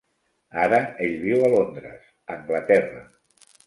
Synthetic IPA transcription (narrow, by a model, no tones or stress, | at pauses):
aɾəeʎβiwəlond̪ɾə̰z̥ | əŋɡlət̪ɛrə̰